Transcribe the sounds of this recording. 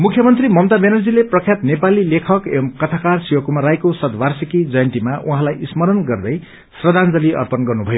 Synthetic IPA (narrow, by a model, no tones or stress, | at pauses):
mukʰjʌmʌnt̪rimʌmt̪abenʌrd͡zileprʌkʰjat̪nepalilekʰʌkemkʌt̪ʰakarsiwʌkumaɾajkosʌd̪barsikid͡zʌjʌnt̪imaʔũɦãlajʔismʌɾʌnɡʌrnʌj | srʌd̪ʱand͡zʌliʔʌ̰rpʌnɡʌrnubʱʌjo